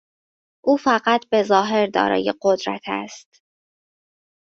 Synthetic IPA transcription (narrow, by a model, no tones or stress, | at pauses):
ʔuːfæɢæt̪ʰbe̞zɒːɦe̞ɾd̪ɒ̰ːɾɒ̰ːjeɢod̪ɾæ̰t̪ʰæ̰st̪